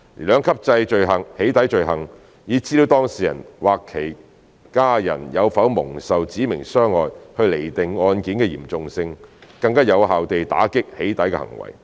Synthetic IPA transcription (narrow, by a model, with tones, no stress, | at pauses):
liː˨˩lœː˨˧ŋkʰɐ˥p̚t͡sɐ˧jt͡ʃɵ˨ɥɦɐ˨˩ŋhe˨˥jt̪ɐ˨˥jt͡ʃɵ˨˧ɥɦɐ˨˩ŋ | jiː˨˧˥t͡siː˥iː˨˥wt̪ɔː˥ŋsiː˨jɐ̰˨˩nwaː˨kʰe˨˩j | kaː˥jɐ̰˨˩njɐ˨˧wfɐ˨˥wmʊ˨˩ŋsɐ˨wt͡siː˨˥mɪ̰˨˩ŋsœː˥ŋɔː˨jhɵ˧ɥle˨˩jt̪ɪ˨ŋɔː˧nkiː˨˥nkɛː˧jiː˨˩mt͡sʊ˨ŋsɪ˧ŋkɐ˧ŋkaː˥jɐ˨˧wɦaː˨wt̪e˨jt̪a̰ː˨˥kɪ˥k̚he˨˥jt̪ɐ˨˥jkɛː˧hɐ̰˨˩ŋwɐ̰˨˩j